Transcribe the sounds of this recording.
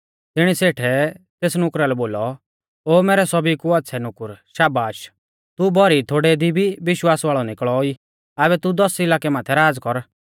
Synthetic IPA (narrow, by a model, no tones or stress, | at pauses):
t̪ɪɽ̃iseːʈʰɛt̪eːsnʊkɾalɛboːlɔ | oːmɛːɾɛsɔbikuɐt̪ːsʰɛnʊkʊɾʃaːbaːʃ | t̪ubʱɔɾit̪ʰoːɽɛd̪ibʱiʋɪʃwaːsʋaːɭɔnɪkɭɔi | aːβɛt̪ud̪ɔsɪlaːkɛmaːt̪ʰɛɾaːd͡zkɔɾ